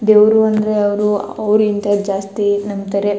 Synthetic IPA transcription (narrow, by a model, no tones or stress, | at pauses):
d̪eːʋɾuɐnd̪ɐɾeɐʋɐɾuɐʋɾuint̪ɐd͡ʒaːst̪inɐmt̪ɐɾe